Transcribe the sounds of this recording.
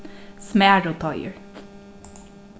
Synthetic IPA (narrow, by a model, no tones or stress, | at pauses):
smæːɹoːt̪ʰɑɪə̰ɹ